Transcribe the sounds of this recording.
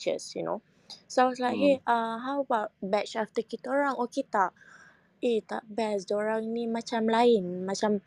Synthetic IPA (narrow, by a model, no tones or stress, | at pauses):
t͡ʃə̰sjṵno̰ | sawatlaɦeaɦawbabɛt͡ʃaft̪əkit̪aoɾaŋɔket̪aʔ | et̪a̰ʔbɛsdoɹaŋnimat͡ʃamlaɪnmat͡ʃam